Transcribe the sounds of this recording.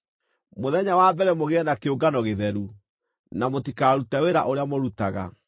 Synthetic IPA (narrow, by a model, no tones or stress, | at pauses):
moðɛɲawabɛɾɛmoɣeɛnakeoɡanɔɣeðɛɾu | namotikaːɾutaweɾaʔoɾeamoɾutaɣa̰